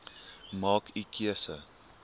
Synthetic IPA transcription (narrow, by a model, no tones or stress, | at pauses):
mɑːkikʰiəsə